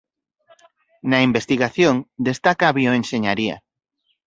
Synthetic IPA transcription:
naimbest̪iɣaθjoŋd̪est̪akaːβioenʃeɲaɾia̰

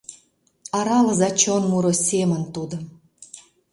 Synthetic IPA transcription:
ɑɾɑlə̆zɑt͡ɕonmuɾosʲemə̆nt̪ud̪o

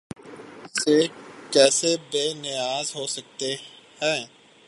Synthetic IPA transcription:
seːkɛːsebeːnɪjaːzɦoːsək̚t̪e | hɛ̃ː

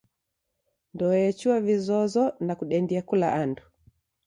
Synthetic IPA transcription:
ndɔɛt͡ʃuavizɔzɔnakuɗɛndiakula̰ʔandu

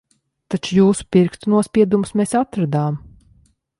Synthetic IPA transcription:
t̪at͡ʃujuːsu̥piɾkt̪unuɔspʲiɛd̪umusmesat̪ɾad̪aːm

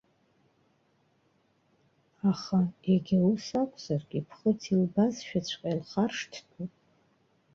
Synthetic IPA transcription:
aχaeɡʲɪusakʷʼz̥arɡʲipʰχətʰilbazʃᶣat͡ɕʷʰqʲʼalχarʂtʰtʰʼupʼ

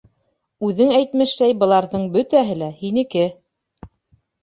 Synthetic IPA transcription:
ʉðɘŋæjt̪mɘ̆ʃlæjbɤ̆lˠɑɾðɤɴbɵt̪æɦɘlæhinɘ̆kɘ

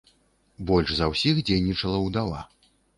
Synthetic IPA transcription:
bɔlʲʂzɐwsʲixd͡zʲejnʲit͡ʂɐlˠɐwd̪alˠa̰

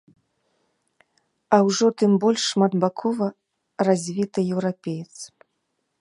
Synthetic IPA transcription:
ɐwʐɔt̪ɨmbɔlʲʂːmad̪bakʰɔvɐ | razʲvʲit̪ɨjɛwɾapʲejɛt̪s

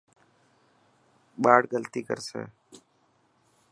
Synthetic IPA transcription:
ɓaːɽɡəlt̪iːkə̰ɾsḛː

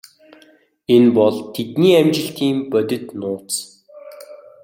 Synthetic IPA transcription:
enpɔɮt̪ʰːet̪niːæmt͡ɕɪ̆ɬt̪iːmpœt̪ʲɪ̆t̪nʊːt͡s

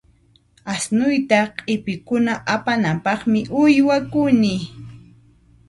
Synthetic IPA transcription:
asnʊjt̪aqʼɪpɪkʊnaʔapanampɑχmɪʔʊjwakʊnɪ

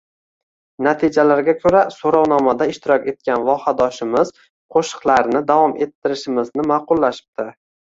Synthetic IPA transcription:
nat̪ʰɪd͡ʒalaɾɡʲakʲʰɵɾasoɾɒwnɒmad̪aɪʃt̪ɪɾɒkʲe̞t̪̚kʲanvɒhad̪ɒʃɪmɪz | qʰoʃɨ̥qlˠaɾnɪd̪avɒme̞t̪ʰːɪɾɪʃɪmɪznɪmɑqʊlːaʃɪ̥p̚t̪ɪ

